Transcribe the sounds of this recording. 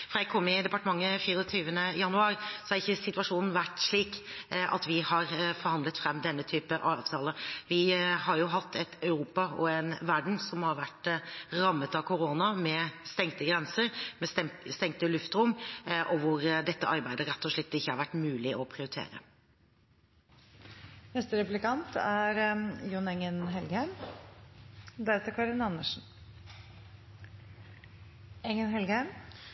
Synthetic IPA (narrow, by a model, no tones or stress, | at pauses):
fɾɑjɛɡkʰɔmːɪd̪ɛpɑʈəmɑŋːəfiːɾəɔt̪ʰyːʋənəjɑnʉɑːɾsɔæɾɪçːəsɪt̪ʉɑʂuːnn̩ʋæʈʂɭiːkʔɑ̰t̪ʋɪhɑɾfɔɾhɑnd̪lət̪fɾɛmːd̪ɛnːət̪ʰyːpəʔɑːʋt̪ʰɑːləʋɪhɑɾjʊɦɑt̪ʰːɛt̪ɑʉɾuːpɑɔɛnʋæɖɳ̩sɔmhɑɾʋæʈːɾɑmːət̪ɑkʰʊɾoːnɑmɛst̪ɛŋt̪əɡɾɛnsəɾmɛɛst̪ɛŋt̪əlʉft̪ɾʊmːʔɔʋʊɾd̪ɛt̪ːəʔɑɾbæɪd̪əɾɛt̪ːɔʂɭɪt̪ːɪçːəhɑɾʋæʈːmʉːlɪʔɔpʰɾɪʊɾɪt̪ʰḛːɾə̰ | nɛst̪əɾɛplɪkɑnt̪æɾjʊnɛŋənɦɛlɡəhæɪm | d̪æɾɛt̪əɾkʰɑɾɪnɑnːəʂn̩ | ɛŋənɦɛlɡəhæm